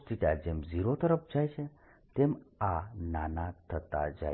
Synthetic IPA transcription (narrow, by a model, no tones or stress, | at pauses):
ʈ̪iʈad͡ʒemziɾot̪əɾəpd͡ʒajt͡ʃʰe | t̪emananat̪ʰət̪a̰d͡ʒa̰